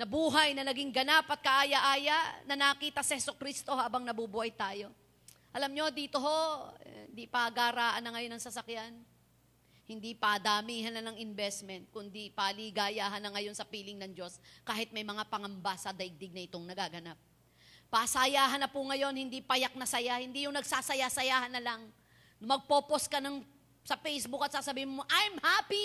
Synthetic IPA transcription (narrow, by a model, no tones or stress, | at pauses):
nɐbuːɦɐjnɐnɐɡiŋɡɐnapɐt̪̚kɐʔaːjɐʔaːjɐnɐnɐkiːt̪ɐsɐhɛsʊkɾist̪o̞haːbɐŋnɐbubuhɐjt̪aːjo̞ | ʔɐlamɲo̞d̪iːt̪o̞ɦo̞hɪnd̪ipaɡaːɾaːʔɐnːɐŋɐjo̞nːɐŋsɐsɐkjan | hɪnd̪ipɐd̪aːmiːɦɐnɐnɐŋɪnbɛst̪mɛnt̪̚kʊnd̪ipaliːɡaːjaːɦɐnːɐŋɐjo̞nsɐpiːlɪŋnɐŋd͡ʒo̞skaːhɪt̪̚mɐjmɐŋapɐŋɐmbasɐd̪ɐʔɪɡ̚d̪ɪɡ̚nɐʔɪt̪o̞ŋnɐɡaːɡɐnap̚ː | ɐsajaːɦɐnːɐpuŋɐjo̞nhɪnd̪ipɐjak̚nɐsɐjahɪnd̪ijʊŋnɐɡsaːsɐjasɐjaːhɐnːɐlɐŋ | mɐɡ̚po̞ːpo̞skɐnɐŋ | sɐpejsbʊkɐt̪saːsɐbiːhɪnmo̞ʔajmhaːpi